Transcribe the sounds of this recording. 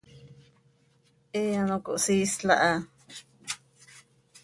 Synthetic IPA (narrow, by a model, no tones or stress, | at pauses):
ʔeanõko̰ʔsiːsɬa̰ʔa